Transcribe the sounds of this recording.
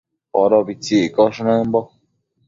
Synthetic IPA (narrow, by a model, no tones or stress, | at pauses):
oɾoβit͡sikoʂnɨ̃mbo